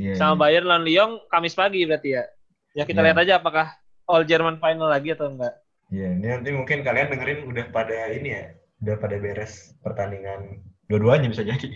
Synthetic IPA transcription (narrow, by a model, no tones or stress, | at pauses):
ijasamabajarlanliɔŋkamɪspaɡibəɾart̪ija | jakit̪aliɦat̪ad͡ʒaːpakah | ɔld͡ʒərmanfajnalːaɡiat̪aŋɡaʔ | ijaninant̪imuŋkɪnkaliandəŋəɾɪnudahpadainija | udahpadabeɾɛspərt̪aniŋanduaduaɲabisad͡ʒadi